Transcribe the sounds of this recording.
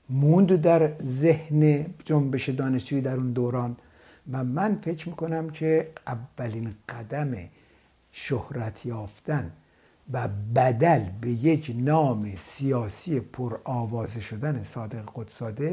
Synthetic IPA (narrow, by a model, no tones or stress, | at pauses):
mund̪d̪æɾzehned͡ʒombe̞ʃed̪ɒːneʃd͡ʒuːiːd̪æɾund̪oːɾɒːn | væmænfecʰɾmiːko̞næmcʰeævːæliːnɢ̥æd̪æmḛ | ʃohɾæt̪ʰjɒːft̪æn | væbæd̪ælbe̞je̞cʰnɒːmesijɒːsijepʰoɾɒːvɒːzeʃod̪ænesɒːd̪eɣeɡot̪sɒːd̪e